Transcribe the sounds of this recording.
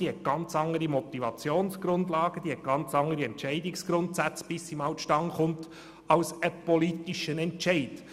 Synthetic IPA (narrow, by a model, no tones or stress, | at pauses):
d̥ihɛt̚ɡ̥ɑnt͡sɑŋːəɾimɔt̪ivɑt͡sjoːnsɡ̥ɾʊnd̪lɑːɡ̥əd̥̪ihɛt̚ɡ̥ɑnt͡sɑŋːəɾiɛnt͡ʃɛɪdɪksɡ̥ɾʊnt̪sæt͡sb̥ɪsːimɑwʃtɑŋχʊnt | ɑwsəpɔlitiʃənɛntt͡ʃɛɪd